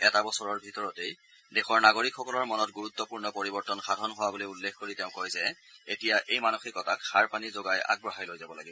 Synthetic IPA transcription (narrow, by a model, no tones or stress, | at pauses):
ɛtabɔsɔɹɔɹbʱitɔɹɔtej | dɛxɔɹnaɡoɹikʰxɔkɔlɔɹmɔnɔt̚ɡuɹut̪ːɔpuɹnɔpoɹibɔɹtɔnxadʱɔnɦʊwabolojulːexkoɹiteʊ̃kojzɛ | etijaʔejmanuxikɔtakxaɹpanizoɡaja̰ɡ̚bɹɔɦajlojzabɔlaɡibɔ